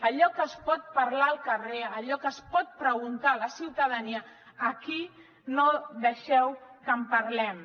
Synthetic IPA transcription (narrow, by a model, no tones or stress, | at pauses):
əʎɔkəspɔt̪̚pɐɾlaəlˠkəreəʎɔkəspɔt̪̚pɾəɣunt̪aləsiwt̪əðəniəː | ki | noðəʃɛwkəmpɐɾlɛm